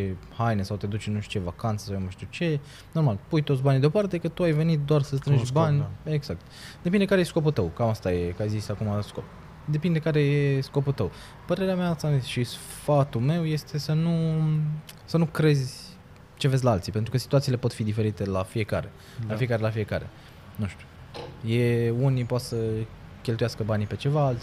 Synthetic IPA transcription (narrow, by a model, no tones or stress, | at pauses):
t͡ʃehajnesawt̪ed̪ut͡ʃnuʃt͡ʃe̞vakant̪sə̥sawmuʃt̪ut͡ʃe̞ | no̞rmalpujt̪ot̪sʲbanid̪eo̞paɾt̪ekət̪uajve̞nit̪̚d̪oarsəst̪ɾɨnʃbanʲe̞ɡzak̚t̪d̪e̞pind̪ekaɾejesko̞pult̪əwkamast̪ajekajzisakumasko̰p̚ | d̪e̞pind̪ekaɾe̞jesko̞pult̪əw | pəɾe̞ɾeameaast̪aneʃis | fat̪ulme̞wje̞st̪ʰe̞sənu | sənukɾe̞zʲ | t͡ʃe̞vezʲlaalt̪sipent̪ɾukəsi̥t̪uat̪sile̞po̞t̪fid̪ife̞ɾit̪e̞lafije̞ka̰ɾe̞̰ | lafiekaɾelafije̞ka̰ɾe̞̰ | nuʃt̪u̥ | je̞unipoat̪sə | kʲe̞lt̪ujaskəbanipe̞t͡ʃe̞vaalt̪sʲ